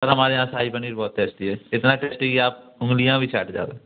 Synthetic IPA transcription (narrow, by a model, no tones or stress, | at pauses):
ɐɾɦɐmaːɾeɦãːsaːipəniːɾbɔːt̪̚ːeːsʈ̪iɦɛːɪt̪naʈeːsʈekiaːp̚ʊ̃ŋɡlijãbʱit͡ʃʰa̰ːʈd͡ʒa̰ːɡeː